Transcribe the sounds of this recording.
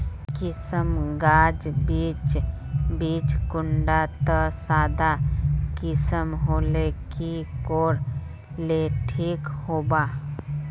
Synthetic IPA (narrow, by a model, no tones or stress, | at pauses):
kɪsəmɡaːd͡ʒbiːt͡ʃ | biːt͡ʃkʊɳɖat̪əsaːd̪akɪsəmɦoːlekikoːɾ | leʈʰiːkhoːbaː